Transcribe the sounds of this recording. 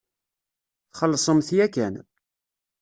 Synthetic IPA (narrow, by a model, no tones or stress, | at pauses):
θχəlːsˤəmθjækæn